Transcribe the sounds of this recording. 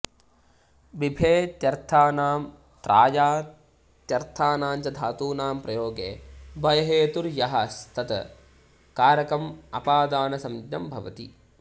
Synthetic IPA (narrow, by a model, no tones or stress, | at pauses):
bibʱeːt̪jɐɾt̪ʰaːnaːm | t̪ɾʔaːjaː | t̪jɐɾt̪ʰaːnaːnt͡ʃɐd̪ʱaːt̪uːnaːmpɾɐjoːɡḛːbɐjɐɦeːt̪uɾjɐɦɐst̪ʰɐt̪ɐ | kaːɾɐkɾɐmɐpaːd̪aːnɐsɐmd̪jɐmbʱɐʋɐ̰t̪ḭ